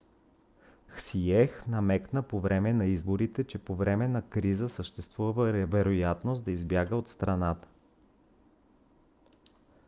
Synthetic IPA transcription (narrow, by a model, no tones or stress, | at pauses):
xsiɛxnɐmɛknəpovɾɛmɛnɐizboɾit̪ɛt͡ʃɛpovɾɛmɛnɐkɾizəsəʃt̪ɛst̪vuvəvəvɛɾojat̪nosd̪ɐizbjaɡəot̪st̪ɾɐnat̪ə̥